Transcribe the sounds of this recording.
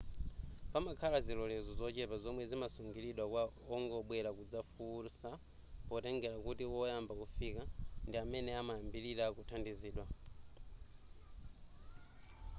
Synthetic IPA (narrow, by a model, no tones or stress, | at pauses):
pamakʰalazilɔlɛzɔzɔt͡ʃɛpazɔmwɛzimasuŋɡiliɗwakwa | ɔŋɡɔɓwɛɾakud͡zafuːsa | pɔtɛŋɡɛɾakutiwɔjambakufikandiamɛnɛamaambiɾiɾakutʰandiziːɗwa